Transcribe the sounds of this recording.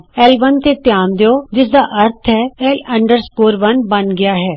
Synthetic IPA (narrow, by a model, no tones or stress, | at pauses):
ɛːlʋənt̪et̪jaːnd̪eoːd͡ʒɪs̬d̪aːʔɐɾt̪ʰɦɛːɛːlɐ̃ɳɖəɾskoːɾʋɐnbɐnɡɪjaːɦɛː